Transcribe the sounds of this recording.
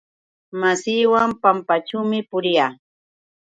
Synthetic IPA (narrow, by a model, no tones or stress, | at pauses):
masiːwampampat͡ʃuwmɪpʊɾɪjaː